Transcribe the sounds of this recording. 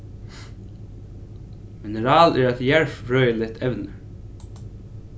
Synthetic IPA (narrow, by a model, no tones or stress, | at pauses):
mɪnəɹɑːlʔæːɹæt̪jæɹfɹœːʏəlɪt̪ʰɛʋnəɹ